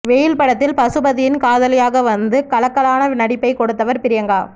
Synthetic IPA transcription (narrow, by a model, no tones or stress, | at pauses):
ʋejɪlpɐɽɐt̪ːɪlpɐsɯbɐðɪjɪnkaːðɐlɐɪjaːɣɐʋɐnd̪ɯkɐlɐkːɐlaːnɐnɐɽɪpːɐɪkɔɽɯt̪ːɐʋɐɾpɪɾɪjɐŋɡaː